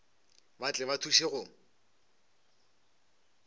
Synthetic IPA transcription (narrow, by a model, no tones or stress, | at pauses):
bat͡ɬʼɪβatʰuʃeɣʊ